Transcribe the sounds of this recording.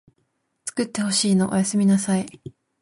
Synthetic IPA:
t͡sɨ̥kɯ̟t̪ːe̞ho̞ɕiːno̞ʔojasɨmʲinasai

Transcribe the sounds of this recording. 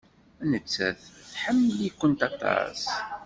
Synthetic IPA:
ænət͡sːæ̰θθħəmːəlikʷːənt̪ɑt̪ˤɑ̰s

